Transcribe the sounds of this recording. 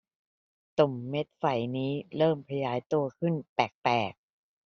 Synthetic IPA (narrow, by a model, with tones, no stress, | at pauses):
t̪o˨˩mːe˦˥t̪̚fa˨˩jniː˦˥ɾɤː˥˩mpʰa˧jaː˩˦jt̪u˧ɐkʰɯ˥˩npɛː˨˩k̚pɛː˨˩k̚